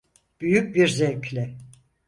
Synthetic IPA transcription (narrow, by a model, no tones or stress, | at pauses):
b̥yjyc̚biɾzecʰlʲɛ